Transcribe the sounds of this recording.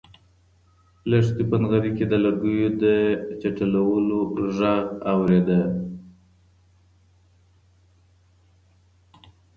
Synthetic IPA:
laʂt̪ipənɣaɾiked̪əlaɾɡujod̪ət͡ʃaʈalawəloʒaɣawɾed̪ə

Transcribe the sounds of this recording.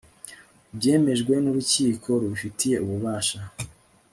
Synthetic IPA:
bɟe̞ːme̞ʒɡwe̞nuβuciːkʰo̞ɾuufitʰije̞uβuβaːʃa

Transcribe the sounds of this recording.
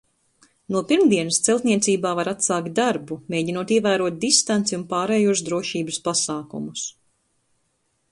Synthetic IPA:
nuɔpiɾmd̪iɛnst̪sɛlˠt̪nʲiɛt̪siːbaːvaɾat̪saːkt̪̚d̪aɾbumeːɟinuɔt̪iɛvæːɾuɔt̪̚d̪ist̪ant̪siunpaːɾɛːjuɔsd̪ɾuɔʃiːbɨspasaːkṵmus

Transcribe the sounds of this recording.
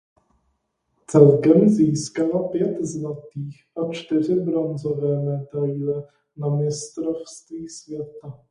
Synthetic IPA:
t͡sɛlkɛmziːskalapjɛt̪zlat̪iːxʔat͡ʃt̪ɪr̝ɪbɾonzovɛːmɛd̪ajlɛ | namɪst̪ɾofst̪viːsvjɛt̪a

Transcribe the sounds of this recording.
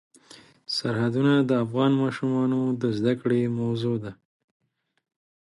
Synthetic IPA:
saɾhad̪unad̪əːfɣɑnmɑʃumɑnod̪əzd̪akɽemawzod̪a

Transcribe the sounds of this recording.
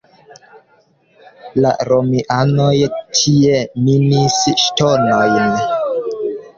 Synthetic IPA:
la̰ɾomiʔanojtʰie̞minisʃtonojn

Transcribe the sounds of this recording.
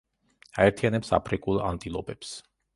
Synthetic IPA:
aɛɾt̪ʰianɛpsa̰pʰɾikʼulˠa̰nt̪ʼilˠɔpʼɛps

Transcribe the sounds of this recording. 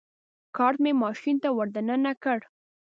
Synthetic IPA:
kɑɾt̪memɑʃint̪awəɾd̪anənakəɽ

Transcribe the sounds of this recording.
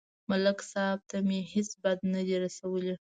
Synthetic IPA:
malaksɑb̚t̪amehesbad̪nad̪iɾasawəle

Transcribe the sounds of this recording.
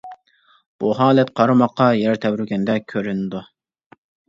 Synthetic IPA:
b̥uɦɑːlˠɛt̪qʰɑɾɑmɑqːɑjɛɾt̪ʰɛbɾyɾɡʲɛnd̪ɛkʲʰøɾynɪd̪u

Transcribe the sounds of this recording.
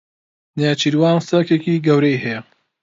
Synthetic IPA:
njaːt͡ʃiɾwaːnsɐkekiːɡɐwɾejɦɛjɐ

